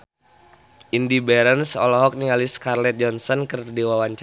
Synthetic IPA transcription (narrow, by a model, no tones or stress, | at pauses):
ʔindibɛɾənsɔ̰lɔɦɔk̚niŋaliskarlɛt̪̚d͡ʒɔnsɔnkərdiwawaɲt͡ʃ